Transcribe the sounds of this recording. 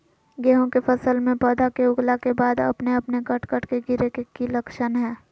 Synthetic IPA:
ɡɛːɦõkepʰəsəlmẽpɛːd̪ʱakeʊɡlakebaːd̪ɐ̰pneɐpnekəʈʰkəʈʰkeɡɪɾekekiləkʃənɦɛː

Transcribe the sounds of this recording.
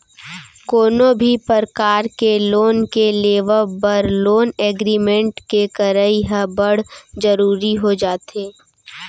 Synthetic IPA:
koːnobʱipəɾkaːɾkeloːnkeleːʋəbəɾloːneːɡɾiːmẽɳʈkekəɾəiɦəbəɽ̤d͡ʒəɾuːɾiɦod͡ʒaːt̪eː

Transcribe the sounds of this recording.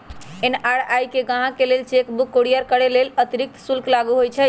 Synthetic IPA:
enaɽajkeɡãɦãkelelt͡ʃekbukːoɽijəɾkəɽelelət̪iɾik̚t̪sulklaɡuɦojt͡ʃʰə

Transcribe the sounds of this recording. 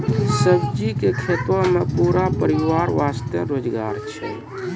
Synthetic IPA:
səbd͡ʒikekʰet̪omepuɾapəɾiʋaɾʋast̪jə̰ɾoːd͡ʒɡa̰ɾt͡ʃʰɛ̰

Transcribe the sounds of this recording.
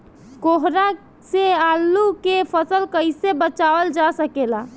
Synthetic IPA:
koɦɾa | sealːukepʰəsəlkəjsebət͡ʃaʋəld͡ʒasəkela

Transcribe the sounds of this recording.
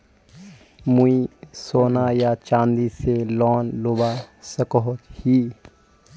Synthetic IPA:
muisoːnajat͡ʃãːnd̪iselɔːnloːbasəkɔɦkhiː

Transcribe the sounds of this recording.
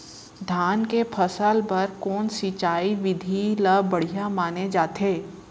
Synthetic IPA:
d̪ʱjaːnkepʰɐsəlpɐɾkɔːnsit͡ʃaːiʋɪd̪ʱiləbɐɽ̤ijamaːned͡ʒaːt̪eː

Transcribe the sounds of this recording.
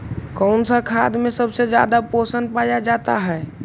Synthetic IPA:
kɔʊnsakʰa̰d̪mesəbsed͡ʒja̰d̪aposənpajad͡ʒat̪a̰ɦɛe

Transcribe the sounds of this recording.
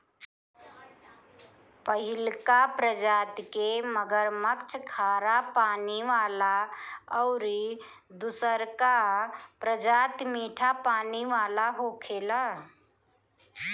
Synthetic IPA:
pəɦɪlkapɾəd͡ʒaːt̪keməɡəɾməkt͡ʃʰkʰaːɾapaːniʋaːlaəʊɾi | d̪usəɾkapɾəd͡ʒaːt̪miːʈʰapaːniʋaːlaɦokʰela

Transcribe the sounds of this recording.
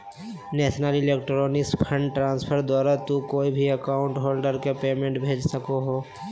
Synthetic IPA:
nɛːʃnəlɪleːk̚ʈɾoːnɪkspʰə̃ɳɖʈɾãːnspʰəɾd̪waːɾat̪ukoːibʱiɐkaːʊ̃ɳʈɦoːlɖəɾkepeːmẽɳʈbʱeːd͡ʒsɐkoɦoː

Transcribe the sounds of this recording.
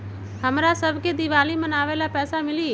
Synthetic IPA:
həmɾaːsəbkeːd̪ɪʋaːliːmənaːʋeːlaːpɛːsaːmɪliː

